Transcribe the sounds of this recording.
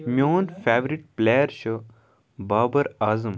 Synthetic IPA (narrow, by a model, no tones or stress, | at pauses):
mʲjoːnfɛːʋɾiʈ̚plejəɾɕə | baːbɐɾaːzɐm